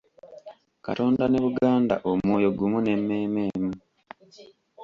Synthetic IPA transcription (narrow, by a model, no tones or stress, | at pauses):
kato̞ːndaneβuɡaːnda̰ʔomwoːjo̞ɡumune̞mːe̞ːme̞ːmu